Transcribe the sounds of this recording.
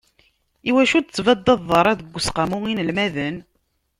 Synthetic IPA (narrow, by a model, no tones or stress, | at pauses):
iwæʃut͡sːvæd̪ːɑðˤəɾˤɑðəɡʷːəsqamuŋinəlmæðən